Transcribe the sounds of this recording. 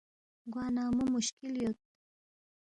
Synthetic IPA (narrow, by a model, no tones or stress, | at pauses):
ɡwɑːnɑmumʊʃkɪljot̪̚